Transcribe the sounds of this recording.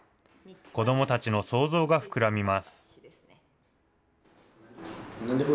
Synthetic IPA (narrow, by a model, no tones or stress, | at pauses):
ko̞d̪o̞mo̞t̪at͡ɕino̞so̞ːzo̞ːɡaɸɯ̟̥kɯ̟ɾamʲimasɨ̥